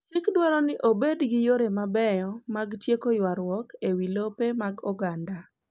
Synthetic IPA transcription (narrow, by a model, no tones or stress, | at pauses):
t͡ʃɪkdwaɾɔnɪʔobedɡɪjoɾemabɛjɔmaɡtjekojwaɾwɔkewilopemaɡɔɡanda